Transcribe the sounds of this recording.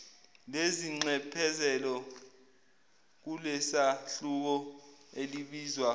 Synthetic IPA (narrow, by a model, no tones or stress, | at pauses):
leziŋ͡ǀɛpʰɛzɛlɔ | k̬ulɛsaɬuk̬ɔeliɓiːzwa